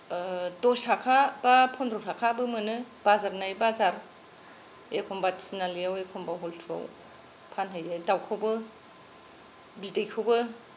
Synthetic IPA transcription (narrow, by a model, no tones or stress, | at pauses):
dɔsakʰabapʰɔndɾɔsʰakʰabɯmɯnɯ | bazaɾnajbazaɾ | ekʰɔmbatinalijawekʰɔmbawɦɔltʰua̰w | pʰanɦɯjɯdawkʰawbɯ | bidejkʰɯwbɯ